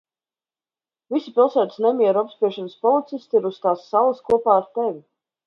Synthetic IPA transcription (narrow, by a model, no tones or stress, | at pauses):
visipilˠsæːt̪isnɛmʲiɛɾuapspiɛʃɛnəspɔlˠit̪sist̪iɾust̪aːsːalˠəskuɔpaːɾt̪ɛvʲi